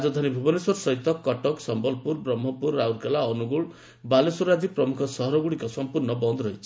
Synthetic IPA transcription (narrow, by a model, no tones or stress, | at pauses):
d͡ʒɔd̪ʱanibʱubɔneswɔɾsɔɦit̪ɔkɔʈɔksɔmbɔlpuɾbɾɔmːɔpuɾːawɾkalaɔnuɡuɭ | balesuɾad͡ʒipɾɔmukʰɔsɔɦɔɾɔɡuɽikɔsɔmpuɾnɔbɔnd̪ʱɾɔɦit͡ʃʰi̥